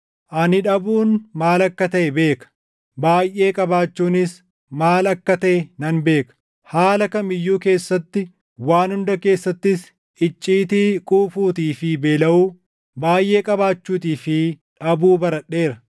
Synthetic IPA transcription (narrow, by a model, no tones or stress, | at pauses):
ʔɐnɪᶑɐbuːnmaːlɐkːɐt̪ɐʔɛbe̞ːkɐ̥ | baːjʔe̞ːkʼɐbaːt͡ʃːuːnɪs | maːlɐkːɐt̪ɐʔɛnɐnbe̞ːkɐ̥ | haːlɐkɐmɪjːuːke̞ːsːɐt̪ːɪ | waːnhʊnd̪ɐke̞ːsːɐt̪ːɪs | ɪt͡ʃʼːiːt̪iːkʼuːfuːt̪iːfɪbe̞ːlɐʔuː | baːjʔe̞ːkʼɐbaːt͡ʃːuːt̪̬iːfɪᶑɐbuːbɐɾɐɗːe̞ːɾɐ